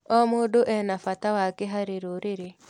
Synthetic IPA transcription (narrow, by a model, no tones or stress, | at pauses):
ɔmodoʔɛnafatawaɡeɦaɾeɾoɾeɾe